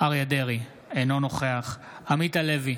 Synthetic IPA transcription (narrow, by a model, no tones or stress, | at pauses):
aʁjad̪eʁi | eno̞no̞χeaχ | amit̪ale̞vi